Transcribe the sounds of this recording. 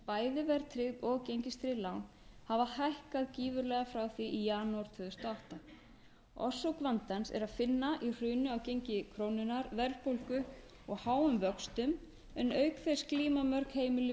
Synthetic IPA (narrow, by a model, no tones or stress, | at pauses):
paːjðɪvɛɾt̪ʰɾɪðɔɣcejɲcɪst̪ɾɪlawn | havahajhkaðciːvʏɾlɛɣafɾawθiʔijaːnuaɾ̥t̪ʰvʏːðʏst̪aawht̪a | ɔ̰sɔwkvant̪ansɛ̰ɾaðfɪnːaʔir̥ʏːnʏawcejɲcɪkʰɾoːwnʏnaɾvɛɾðpowlkʏ | ɔɣhaːwʏmvœkst̪ʏm | ɛnœɥkθɛskliːmamœɾkheːjmɪlɪ